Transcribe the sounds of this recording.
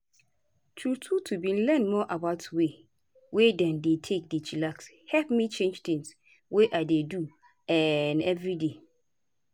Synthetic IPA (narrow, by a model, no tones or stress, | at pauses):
tʰɹutʰutʰubĩn̩lɛ̃nmɔʔabaʊtwe | wedãndetʰek̚det͡ʃʰilaks | hɛlpmĩt͡ʃʰẽnd͡ʒtɪ̃ŋs | weʔadedu | ɛnɛvɹide